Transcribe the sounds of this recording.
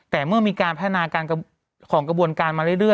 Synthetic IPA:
t̪ɛː˨˩mɯ˥˩ɐmiː˧kaː˧npʰa˦˥t̪ʰa˧naː˧kaː˧nk | kʰɔː˩˦ŋkɾa˧bu˧ənkaː˧nmaː˧ɾɯ˥˩jɾɯ˥˩ə

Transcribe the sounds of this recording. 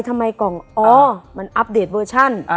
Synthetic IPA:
jt̪ʰa˧mːa˧jkɔː˨˩ŋʔɔː˨˧˩ma˧nʔa˦˥p̚deː˨˩t̪̚wɤː˧t͡ɕʰa˥˩n˧

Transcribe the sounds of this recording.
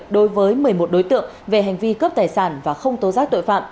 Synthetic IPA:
ɗo˨˦jvəː˨˦jmɨ˨˩əjmo˨˩t̚ɗo˨˦jt̪ɨ̰˧˨əŋve˨˩ɦɛ˨˩jŋ̟vi˧kəː˦˥p̚t̪aː˨˩jsaː˧˩nvaː˨˩xə˧wŋ͡mt̪o˨˦zaː˦˥k̚t̪o̰˧˨jfa̰ː˧˨m

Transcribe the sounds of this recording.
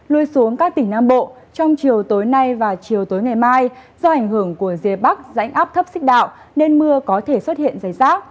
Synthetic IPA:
lu˧əjsu˨˦əŋkaː˦˥k̚t̪ï˧˩ŋnaː˧mɓo̰˧˨ | t͡ɕɔ˧wŋ͡mt͡ɕi˨˩əwt̪o˨˦jna˧jvaː˨˩t͡ɕi˨˩əwt̪o˨˦jŋa˨˩jmaː˧jzɔ˧ʔa˧˩jŋ̟hɨ˧˩əŋku˧˩əzi˨˩ət̚ɓa˦˥k̚za̰˧˥jŋ̟ʔaː˦˥p̚t̪ʰə˦˥p̚sï˦˥k̚ɗa̰ː˧˨wʔ | ne˧nmɨ˧əkɔ˨˦t̪ʰe˧˩swə˦˥t̚hḭ˧˨ənzaː˧˩jzaː˦˥k̚

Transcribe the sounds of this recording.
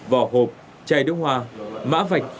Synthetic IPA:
vaː˨˩ɦo˨˩p̚ | t͡ɕaː˧jɗɨ˨˦hwaː˧ma̰ː˧˥va˨˩jk̟̚

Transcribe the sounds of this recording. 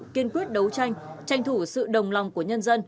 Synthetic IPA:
ki˧ənkwi˦˥ət̚ɗə˨˦wt͡ɕa˧jŋ̟t͡ɕa˧jŋt̪ʰu˧˩sɨ̰˧˨ɗə˨˩wŋ͡mla˨˩wŋ͡mku˧˩əɲə˧nzə˧n

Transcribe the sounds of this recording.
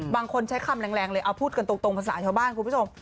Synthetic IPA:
baː˧ŋkʰo˧nt͡ɕʰa˦˥jkʰa˧mlɛː˧ŋlɛː˧ŋlɤː˧jʔa˧wpʰuː˥˩t̪̚ka˧nt̪o˧kt̪o˧ŋpʰa˧˩sa̰ː˩˦t͡ɕʰa˧wbaː˥˩nkʰu˧npu˦˥˩t͡ɕo˧m

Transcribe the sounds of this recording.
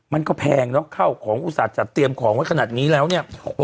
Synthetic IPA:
ma˧nkɔː˥˩pʰɛː˧ŋnɔ˦˥kʰa˥˩wkʰɔː˩˦ŋʔuː˧˩saː˨˩t̪̚t͡ɕa˨˩t̪i˧əmkʰɔː˩˦ŋwa˥˩jkʰa˧naː˨˩t̪̚niː˦˥lɛː˦˥wni˥˩ə

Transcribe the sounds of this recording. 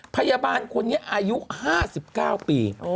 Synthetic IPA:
pʰa˧jaː˧baː˧nkʰu˧ənːi˦˥ɐʔaː˧ju˦˥haː˥˩si˨˩p̚kaː˥˩wpiː˧

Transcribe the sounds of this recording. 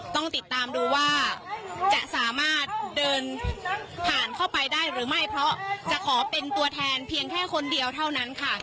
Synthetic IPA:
t̪ɔ˥˩ŋt̪i˨˩t̪ːaː˧mduː˧waː˥˩t͡ɕa˨˩ʔsaː˩˦maː˥˩t̪̚dɤː˧n | p̪ʰaː˨˩nkʰa˥˩wpa˧jdaː˥˩jɾɯː˩˦ma˥˩jpʰɾɔ˦˥t͡ɕa˨˩kʰɔː˩˦pe˧nt̪u˧ɐt̪ʰɛː˧npʰi˧əŋkʰɛː˥˩kʰo˧ndi˧əwt̪ʰa˥˩wna˦˥nkʰa˥˩

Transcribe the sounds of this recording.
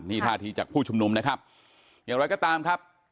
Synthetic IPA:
niː˥˩t̪ʰaː˥˩t̪ʰiː˧t͡ɕa̰ː˨˩k̚pʰuː˥˩t͡ɕʰu˧mnu˧mna˦˥kʰa˦˥p̚ | jaː˨˩ŋɾa˧˥jkɔː˥˩t̪aː˧mkʰa˦˥p̚

